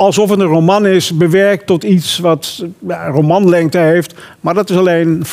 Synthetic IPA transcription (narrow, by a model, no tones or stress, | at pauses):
ɑlˠsɔfətdənromɑnɪsbəʋɛɹk̚tɔtitsʋɑtjarowmɑnlɛŋk̚təɦejft | maːɹdɑtɪsɑlejn